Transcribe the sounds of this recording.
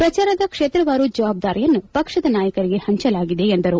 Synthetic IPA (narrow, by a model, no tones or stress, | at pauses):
pɾɐt͡ʃaːɾɐd̪ɐkʂeːt̪ɾɐʋaːɾud͡ʒɐʋaːb̚d̪aːɾijɐnːupɐkʂɐd̪ɐnaːjɐkɐɾiɡe̞hɐɲt͡ʃɐlaːɡid̪e̞ːnd̪ɐɾu